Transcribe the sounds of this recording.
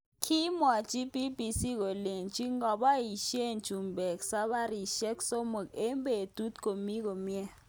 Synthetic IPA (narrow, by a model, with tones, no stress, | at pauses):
kʰi˦mwa˨d͡ʒi˦bi˦bi˨si˦ko˨le˨nd͡ʒi˦ŋɡɔ˨ba˦i˨ʃje˦˨nd͡ʒu˨mbɛ˨k̚sa˦ɓa˦ɾi˨ʃɛ˦kso˦mu˨ke˦mbe˨d̥u˦t̚ko˨mi˦ko˨mjɛ˦